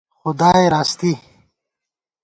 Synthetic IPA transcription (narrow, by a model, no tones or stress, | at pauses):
xʊd̪aːjɾaːst̪i